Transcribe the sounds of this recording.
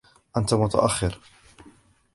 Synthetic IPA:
ʔant̪amʊt̪a̰ʔaxːɪɾ

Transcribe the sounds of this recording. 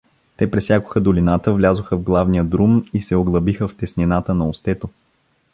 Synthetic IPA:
t̪ɛpɾɛsjakʊ̥xəd̪ʊlinat̪əvlʲazʊxəvɡlˠavnijəd̪ɾumisɛoɡlˠɐbixəft̪ɛsninat̪ənɐost̪ɛt̪o

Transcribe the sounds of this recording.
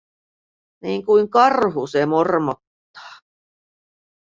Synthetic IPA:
niːŋkuiŋkɑrhusemormot̪ːɑ̥ː

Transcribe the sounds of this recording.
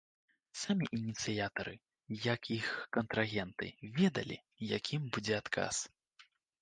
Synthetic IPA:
samʲiʔinʲit̪sɨjat̪ɐɾɨ | jɐkʰixkɐnt̪ɾaɣʲɛnt̪ɨ̰vʲɛd̪ɐ̰lʲḭ | jakʲimbud͡zʲɛat̪kʰa̰s

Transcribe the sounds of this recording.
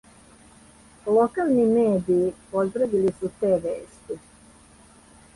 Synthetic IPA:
lˠokaːlˠnimeːd̪iːpozd̪ɾaʋilisut̪eːʋeːst̪i

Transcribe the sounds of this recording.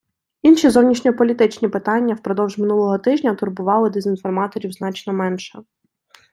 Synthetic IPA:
inʃʲizɔwnʲiʃnʲɔpɔlʲit̪ɪt͡ʃnʲipɪt̪ɑnʲːɐwpɾɔd̪ɔwʒmɪnulˠɔɦɔt̪ɪʒnʲɐt̪ʊrbʊʋɑlˠɪd̪ezʲinfɔrmɑt̪ɔɾʲiwzn̪ɑt͡ʃnɔmɛnʃɛ

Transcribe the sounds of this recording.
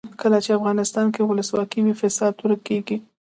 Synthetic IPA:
kəlat͡ʃeafɣɑnɪst̪ɑnkewʊləswɑkiwifɪsɑd̪̚uɾəkːeɡi

